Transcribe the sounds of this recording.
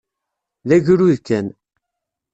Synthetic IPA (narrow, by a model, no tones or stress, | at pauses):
ðæʝɾuðkːæn